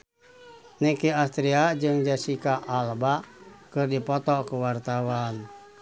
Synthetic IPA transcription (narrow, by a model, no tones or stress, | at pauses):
nikiast̪ɾiad͡ʒɨŋd͡ʒasikaʔalbakɨrdipɔt̪ɔkuwart̪awan